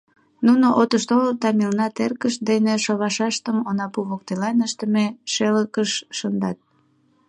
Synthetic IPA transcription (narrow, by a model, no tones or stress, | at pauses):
nunoʔot̪əʃt̪olt̪ɑmilnɑt̪erkəʃd̪eneʃoβɑʃɑʃt̪əmonɑpuβok̚t̪elɑnəʃt̪əmeʃeləkəʃːənd̪ɑt̪̚